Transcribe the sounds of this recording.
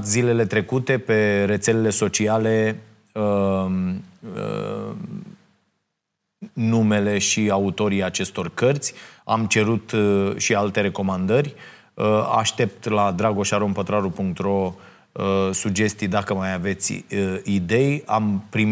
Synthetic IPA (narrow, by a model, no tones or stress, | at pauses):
t̪zile̞le̞t̪ɾe̞kut̪e̞pe̞ɾe̞t̪se̞le̞le̞so̞t͡ʃiale̞ | ə | nume̞le̞ʃiaut̪o̞ɾiat͡ʃe̞st̪o̞rkərt̪sʲa̰mt͡ʃe̞ɾut̪ʃialt̪e̞ɾe̞ko̞mand̪ərʲ | a̰ʃt̪e̞p̚t̪lad̪ɾaɡo̞ʃaɾompət̪ɾaɾupuŋk̚t̪ɾo̞ | sud͡ʒe̞st̪ijd̪akəmajave̞t̪sʲid̪e̞ja̰mpɾim